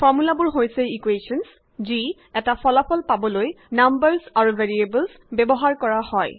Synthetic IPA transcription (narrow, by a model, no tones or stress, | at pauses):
fʰɔɹmulabʊɹɦojsɛikweʃɔns | zi | ɛtapʰɔlapʰɔlpabɔloj | nambəɹsaɹuvʱeɹiebəls | bɛbɔɦaɹkɔɹahɔj